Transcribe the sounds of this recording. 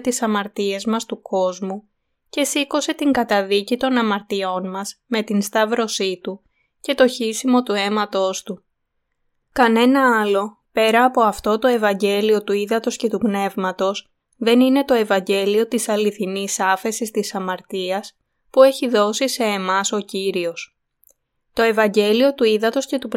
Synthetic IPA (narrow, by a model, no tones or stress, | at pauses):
t̪isɐmɐɾt̪ie̞zmɐst̪uko̞zmu | ce̞siko̞se̞t̪iŋɡɐt̪ɐðicit̪o̞nɐmɐɾt̪io̞nmɐzme̞t̪inst̪ɐvɾo̞sit̪u | ce̞t̪o̞çisimo̞t̪ue̞mɐt̪o̞st̪u | kɐne̞nɐɐlo̞ | pe̞ɾɐːpo̞ɐft̪o̞t̪o̞e̞vɐɲɟe̞lio̞t̪uiðɐt̪o̞sce̞t̪upne̞vmɐt̪o̞s | ðe̞nine̞t̪o̞e̞vɐɲɟe̞lio̞t̪isɐliθinisɐfe̞sist̪isɐmɐɾt̪iɐs | pue̞çiðo̞sise̞ːmɐso̞ciɾio̞s | t̪o̞e̞vɐɲɟe̞lio̞t̪uiðɐt̪o̞sce̞t̪up